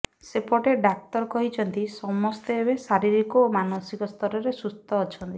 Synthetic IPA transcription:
sepɔʈeɖak̚t̪ɔɾkɔɦit͡ʃʰɔnt̪isɔmɔst̪eːbesaɾiɾikɔmanosikɔst̪ʰɔɾɔɾesust̪ɔːt͡ʃʰɔnt̪i

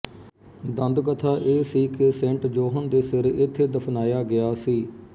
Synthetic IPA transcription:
d̪ənd̪kət̪ʰaːʔeːsiːkesɛ̃ːɳʈd͡ʒoːɦənd̪eːsɪɾɪt̪ʰːeːd̪əpʰnaːjaːɡɪjaːsiː

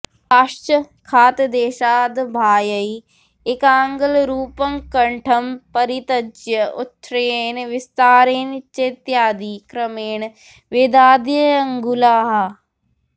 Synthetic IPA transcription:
aʃt͡ʃə | kʰaːt̪d̪eːʃaːd̪bʱaːjəi | ɪkaːŋɡəlɾuːpəŋkɐɳʈʰəmpɐɾit̪ɐd͡ʒjəʊt̪ʰːɾeːnʋɪst̪aːɾeːnt͡ʃet̪jaːd̪iːkɾɐmeːɳ | ʋeːd̪aːd̪jəɐŋɡulaːɦa

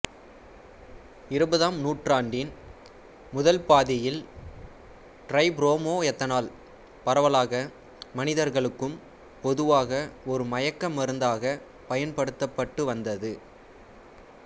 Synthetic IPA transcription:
ɪɾɯbɐðaːmnuːʈraːɳɖɪn | mʊðɐlpaːðɪjɪl | ʈɾɐɪbɾoːmoːɛt̪ːɐnaːl | pɐɾɐʋɐlaːɣɐ | mɐnɪðɐɾɣɐɭɯkːɯm | pɔðɯʋaːɣɐɔɾɯmɐjɐkːɐmːɐɾɯnd̪aːɣɐ | pɐjɐnpɐɽɯt̪ːɐpːɐʈːɯʋɐnd̪ɐðɯ

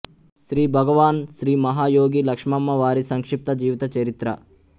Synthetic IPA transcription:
ʃɾiːbʱɐɡɐʋaːnʃɾiːmɐɦaːjoːɡilɐkʂmɐmːɐʋaːɾisɐŋkʂip̚t̪ɐd͡ʒiːʋit̪ɐt͡ʃɐɾit̪ɾɐ̰

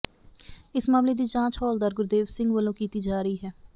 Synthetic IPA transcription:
ɪsmaːmleːd̪iːt͡ʃãːt͡ʃɦɔːld̪aːɾɡʊɾd̪eːʋsɪ̃ŋɡʋəlõːkiːt̪iːd͡ʒaːɾəiːɦɛː

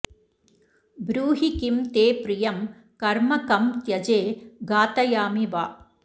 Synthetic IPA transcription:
bɾuːɦikimt̪eːpɾɪjɐm | kɐɾmɐkɐmt̪jɐd͡ʒeːɡaːt̪ɐjaːmiʋaː

